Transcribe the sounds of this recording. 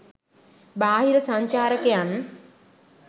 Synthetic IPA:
baːɦiɾəsaɲt͡ʃaːɾəkejan

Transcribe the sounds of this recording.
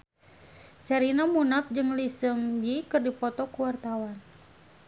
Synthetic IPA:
sɛɾinamunaf̚d͡ʒɨŋlisɨŋd͡ʒikɨrdipɔt̪ɔkuwart̪awan

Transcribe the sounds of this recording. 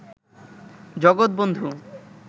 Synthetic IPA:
d͡ʑɔɡot̪̚bond̪ʱu

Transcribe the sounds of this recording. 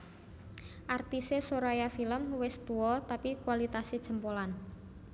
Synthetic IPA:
ʔart̪isesoɾajafiləmwɪst̪uɔt̪apikuwalit̪asid̥ʒ̥ə̤mpolan

